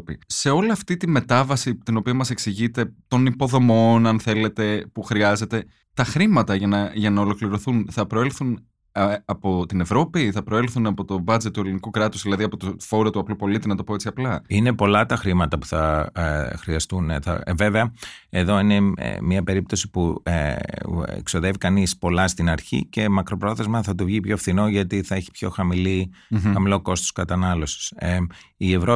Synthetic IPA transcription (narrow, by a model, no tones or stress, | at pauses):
pise̞o̞liɐft̪it̪ime̞t̪ɐvɐsit̪ino̞piɐmɐse̞ksiʝit̪e̞t̪o̞nipo̞ðo̞mo̞nɐnθe̞le̞t̪e̞puxɾiɐze̞t̪e̞ | t̪ɐxɾimɐt̪ɐʝɐnɐʝɐnɐo̞lo̞kliɾo̞θunθɐpɾo̞elθun | ɐɐpo̞t̪ine̞vɾo̞piθɐpɾo̞e̞lθunɐpo̞t̪o̞bɐd͡zet̪t̪ːue̞linikukɾɐt̪uzðilɐðiɐpo̞t̪ofo̞ɾot̪uɐplupo̞lit̪inɐt̪o̞po̞e̞t͡siɐplɐine̞po̞lɐt̪ɐxɾimɐt̪ɐpu̥θɐ | xɾiɐst̪uneθɐ̰veveɐeðo̞ine̞̰miɐpe̞ɾip̚t̪o̞sipu | ḛkso̞ðe̞vikɐnispo̞lɐst̪inɐɾçḭce̞mɐkɾo̞pɾo̞θe̞zmɐθɐt̪uvʝipçoefθino̞ʝɐt̪iθɐeçi̥pço̞xɐmili | xɐmilo̞ko̞st̪o̞skɐt̪ɐnɐlo̞si̥s | ie̞vɾo